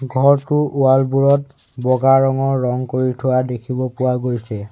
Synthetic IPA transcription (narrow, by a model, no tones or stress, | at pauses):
ɡʱɔɹtʊʔualbuɹɔt̚ | bɔɡaɹɔŋɔɹːɔŋkoɹitʰʊwadekʰibɔpʊwaɡojsɛ